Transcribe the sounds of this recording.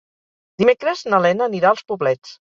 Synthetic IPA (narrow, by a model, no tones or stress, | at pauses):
d̪̥imekɾəznəlɛnəːniɾaəlˠspuβlɛt͡s